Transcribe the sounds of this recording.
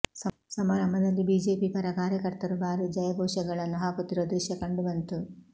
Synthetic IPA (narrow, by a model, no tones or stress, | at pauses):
s | sɐmaːɾɐmbɐd̪ɐlːibiːd͡ʒeːpipɐɾɐkaːɾjɐkɐɾt̪ɐɾubaːɾud͡ʒɐjɐbʱɔːʂɐɡɐɭɐnːuɦaːkut̪ːiɾoːd̪ɛːʃɐkɐɳɖubɐnt̪u